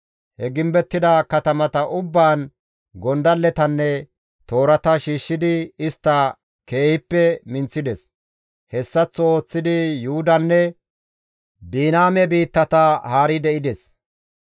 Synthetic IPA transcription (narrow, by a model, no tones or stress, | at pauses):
hɛɡɪmbɛt̪ːɪd̪ɐkɐt̪ɐmɐt̪ɐʔʊbːaːn | ɡɔnd̪ɐlːɛt̪ɐnːɛ | t̪o̞ːɾɐt̪ɐʃiːʃːɪd̪ɪɪst̪ːɐ | ke̞ːhɪpːɛmɪnt͡sːɪd̪ɛs | hɛsːɐt͡sːɔoːt͡sːɪd̪ɪjʊhʊd̪ɐnːɛ | biːnaːmɛbiːt̪ːɐt̪ɐhaːɾɪd̪ɛʔɪd̪ɛs